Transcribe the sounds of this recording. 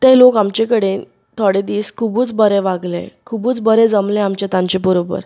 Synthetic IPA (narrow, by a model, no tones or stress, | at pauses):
t̪ɛ̃lokamt͡ɕekəɽe | t̪ʰoɽed̪iːskʰubuːt͡sbəɾɛʋaɡlḛkʰubuːt͡sbəɾɛd͡zəmlẽamt͡ɕet̪ãɲt͡ɕebəɾobə̰ɾ